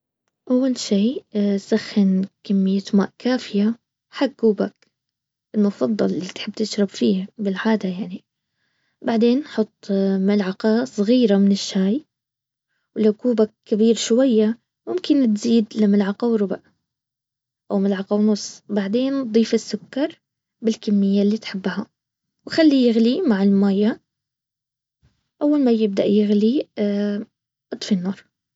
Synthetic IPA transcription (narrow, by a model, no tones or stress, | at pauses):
ʔawːalʃiːsaxːɪnkamːɪjːat̪ma̰ːʔkaːfɪja | ħaɡːuːbak̚ | ʔɪlmʊfɑd̪ˤːɑ̰llit̪ħɪbːt̪ɪʃɾˤɑbfiːbɪlʕaːd̪ajaʕni | baʕd̪eːnħʊt̪ˤːmalʕɑqɑsˤɣiːɾamɪnɪʃːaːj | wlawkuːbakːabiːɾʃwajːa | mʊmkɪnt̪ziːd̪lamalʕɑqɑwɾˤʊbaʔ | ʔawmalʕɑqɑwnʊsˤːbaʕd̪eːnd̪ˤiːfɪsːʊkːɑɾˤ | bɪlkamːɪjːalːiːt̪ħɪbːha | wxalːijɪɣlimaʕɪlmaːja | ʔawːalmajɪb̚d̪aʔjɪɣli | ʔɨt̪ˤfɪnːɑːɾˤ